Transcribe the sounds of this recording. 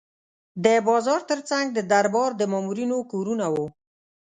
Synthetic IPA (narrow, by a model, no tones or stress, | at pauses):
d̪əbɑzɑɾt̪əɾt͡saŋɡ̚d̪əd̪aɾbɑɾd̪əmɑmuɾinokoɾunawo